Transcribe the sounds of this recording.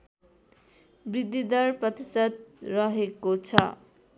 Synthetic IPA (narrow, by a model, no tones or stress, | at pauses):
brid̪ʱːid̪ʌrprʌt̪isʌd̪̚rʌɦekot͡sʰʌ̰